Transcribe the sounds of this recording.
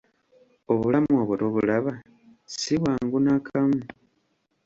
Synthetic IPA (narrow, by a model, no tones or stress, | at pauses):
oβulamuoβoɾoβulaβa | siβwaːŋɡunakʰamu